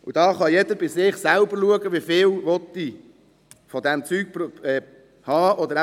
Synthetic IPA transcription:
ud̥̪ɑːχɑjed̪əbɪsɪχsælbəɾluəɡəʋiːfɪːlʋɔt̪ːi | fɔd̪ɛmt͡syːɡ̥̚ɛ | hɑːʔɔd̪əɾ

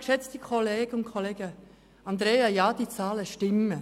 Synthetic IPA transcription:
kʃɛt͡stikʰoleːɡ̥əʊnkʰoleːɡə | ɑnd̪ɾeːɑjɑːd̥it͡sɑːləʃtɪmːə

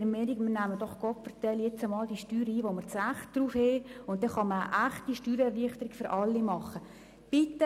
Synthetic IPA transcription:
ɾmɛːɾiɡmənæməd̥ɔχɡ̥ɔtfərtɛljet͡səmɑːld̥iʃtyːɾəiːʋoməɾt͡sæχt̚d̥ruːfheːʊnt̚dɛχɑməəʔæχtiʃtyːɾɛrliəχtəɾiɡ̥fʏɾʔɑlːimɑχə | b̥ɪt̪ːə

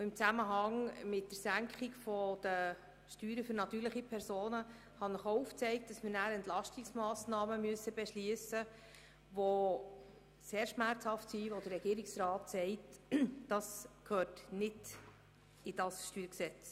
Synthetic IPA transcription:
ɪmt͡sæməɦɑŋmɪt̚d̥əɾsæŋkχɪɡfɔd̥ə | ʃtyːɾəfʏɾnɑt̪yːɾləχipʰɛɾsoːnə | hɑnəχouft͡sɛɪk̚t̚dɑsmənæːɾɛntlɑʃtɪksmɑːsnɑːməmyəsːəb̥ɛʃliəsə | ʋo | seːɾʃmæɾt͡shɑftsiʋɔd̥ərːɛɡ̥iːəɾɪksɾɑːtsɛɪtd̥ɑskʰhøːtnɪd | ɪd̥ɑsʃtyːɾksɛt͡s

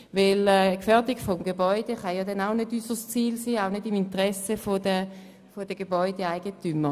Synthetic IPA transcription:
vɪlɛkfɛɐdɪɡfɔmɡebɔʏd̥eχɑjɑːdɛnaʊnødysəst͡siːlsiːaʊnedimintʁɛsəfodə | fod̥əɡebɔʏdeaɪɡəntymːə

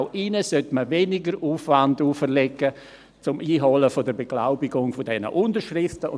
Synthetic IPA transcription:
ʊʔɪnəsœtməvenɪɡəɾuːfʋanduːfərlɛɡə | t͡sʊmʔiːɦɔləfodəɾbeɡ̥laʊbɪɡʊŋfodɛnə̰ʔʊndəɾʃrɪftəʊ

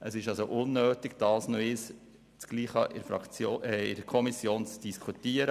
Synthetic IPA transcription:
ʔəsɪʃɑlsoʔʊnːøːtɪɡ̥d̥ɑːlsnoɪs | t͡sɡ̥liːχɑ̰ʔɪɾfɑ̰t͡soːɛɪdkʰɔmisjoːnt͡sd̥iskʰutiəɾə

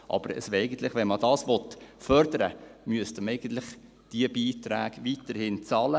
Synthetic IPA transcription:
ʔɑ̰b̥əɾə̰sɛɪɡən̩t̪lɪχʋɛnmɑd̪ɑːsʋɔt̪fœɾd̥̪əɾə̰myəst̪əmɛɪɡən̩t̪lɪχ | d̥iəbiːtɾæ̰ːɡʋitəɾhɪnt͡sɑlə

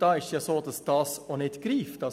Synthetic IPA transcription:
d̥̪ɑɪʃjɑsoːd̪ɑsd̪̥ɑsɔnɪt̪ɡ̥ɾiːfd̪̥ɑ

